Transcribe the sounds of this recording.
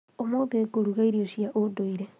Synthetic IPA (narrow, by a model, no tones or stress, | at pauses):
omoːðeekoɾuɣaiɾioʃiaʔodoiɾe